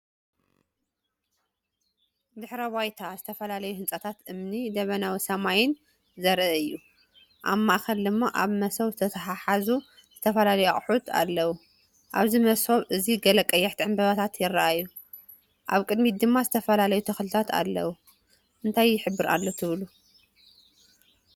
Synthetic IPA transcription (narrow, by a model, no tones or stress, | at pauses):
d̪ɨħɾɐwajt̪ʰazɨt̪ʰɐfɐlalɐjuhɨnt͡sʼɐt̪ʰat̪ʔɨmnid̪ɐβɐnawisɐmajɪn | zɐɾʔɐɨjːu | ʔamːaxɐld̪ɨmːaʔaβmɐsoβzɨt̪ʰɐt̪ʰɐħaħazu | z̥ɨt̪ʰɐfɐlalɐjuaχʼħut̪ʰa̰lːɐwu | ʔa̰βzimɐsoβʔɨziɡɐlɐkʼɐjːɛħt̪ʰiʕɨmbɐβat̪ʰat̪jɪrːaʔajːu | ʔaβkʼɨd̪mid̪ɨmːazɨt̪ʰɐfɐlalɐjut̪ʰɐxlɨt̪ʰat̪ʰa̰lːɐ̰wu | ʔɨnt̪ʰajːɪħɨbːɨɾa̰lːot̪ʰɨβlu